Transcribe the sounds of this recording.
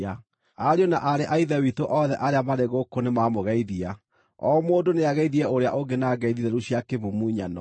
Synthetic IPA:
a | aɾionaʔaɾeʔaiðɛwitoʔɔðɛʔaɾeamaɾeɣokonemamoɣɛiðia | ɔmoːdoneaɣɛiðiɛoɾea̰ʔoɡenaɡɛiðiðɛɾuɕjakeβumuiɲanɔ̰

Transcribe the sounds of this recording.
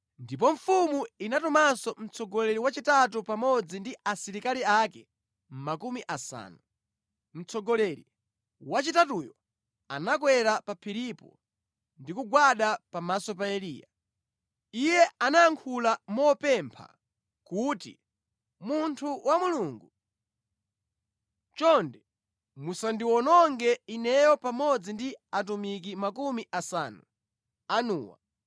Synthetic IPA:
ndip̬ɔɱ̩fumuinatɔmasɔm̩t͡sʰɔɡɔlɛɾiwat͡ʃitatupamɔd͡zindiʔasiɾikaliakɛ | m̩makumiʔasa̰ːnu | m̩t͡sɔɡɔlɛɾi | wat͡ʃitatujɔ | a̰nak̬wɛɾapapʰiɾipɔ̰ | ndikuɡwaɗapamasɔp̬aɛlḭːja̰ | ijɛanaːŋkʰulamɔpɛmpʰa̰ | kutḭ | muntʰuwamuluːŋɡu | t͡ʃɔndɛ | musandiwɔnɔŋɡɛinɛjɔpamɔd͡zindiat̬umik̬imakumiʔasa̰ːnu | anṵːwa̰

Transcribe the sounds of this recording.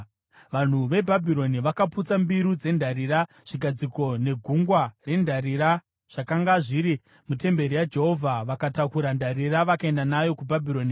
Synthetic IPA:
ʋan̤uʋe̞bʱabʱiɾo̞niʋakaput͡sambiɾud͡ze̞ndʱaɾiːɾa | ʐ̥iɡʱad͡ziko̞ne̞ɡʱuŋɡware̞ndʱaɾiɾa | ʐ̥akaŋɡaʐiɾi | mute̞mbe̞ɾijad͡ʒe̞ɦo̞vʱaʋakatakuɾandʱaɾiraʋakae̞ndanajo̞kubʱabʱiɾo̞ːni

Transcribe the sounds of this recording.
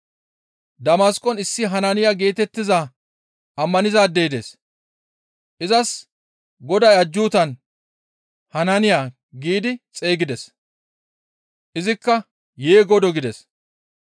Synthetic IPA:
d̪ɐmaskʼːɔnɪsːɪɦɐnɐnɪjaːɡe̞ːt̪ɛt̪ːɪza | ʔɐmːɐnɪzaːd̪eːd̪es | ʔɪzɐs | ɡɔd̪ɐjɐd͡ʒːuːt̪ɐn | hɐnɐnɪjaː | ɡiːd̪ɪt͡sʼe̞ːɡɪd̪ɛs | ʔɪzɪkːɐ | jeːɡɔd̪ɔɡɪd̪ɛs

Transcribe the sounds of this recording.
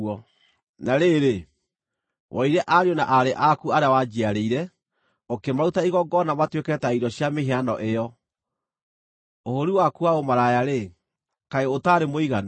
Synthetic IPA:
ɔ | naɾeɾe | wʔɔiɾɛʔaɾeɔnaʔaɾeʔakuaɾeawad͡ʒiaɾeiɾɛ | okemautaiɣɔɡɔnamatwekɛtaiɾɔɕjameɦeanɔʔejɔ | ohoɾiwakuaomaɾajaɾe | kaeotaɾemoiɣan

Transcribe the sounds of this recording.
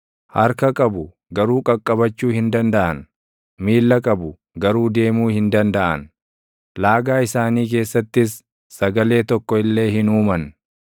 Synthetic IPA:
hɐɾkɐkʼɐbʊ | ɡɐɾuːkʼɐkʼːɐbɐt͡ʃːuːhɪnd̪ɐnd̪ɐʔɐ̰n | miːlːɐkʼɐbʊ | ɡɐɾuːd̪e̞ːmuːhɪnd̪ɐnd̪ɐʔɐ̰n | laːɡaːɪsaːniːk̬e̞ːsːɐt̪ːɪsː | ɐɡɐle̞ːt̪ɔkːɔɪlːe̞ːhɪnuːmɐn

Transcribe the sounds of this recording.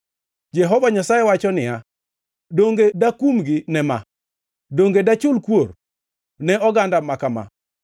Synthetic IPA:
d͡ʒɛɦɔvaɲasajɛwat͡ʃɔnɪja | doŋɡedakumɡɪnɛma̰ | doŋɡedat͡ʃʊlkwor | nɛɔɡandamakama̰

